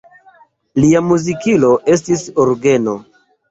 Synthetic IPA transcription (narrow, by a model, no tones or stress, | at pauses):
liamuzikilo̞ʔe̞s̬tisoɾɡe̞no̞